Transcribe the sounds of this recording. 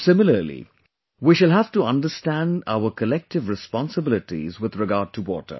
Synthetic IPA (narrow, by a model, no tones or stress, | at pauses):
sɪ̃mɪləlḭ | wiːʃəlɦæftuʌ̃nɖəstæ̃nɖa̰ʊəkʰəlɛk̚ʈɪvɹɪspɔ̃nsəbɪlɪʈḭzwɪðɹɪɡaːɖ̚ʈʰuwɔ̰ːʈə̰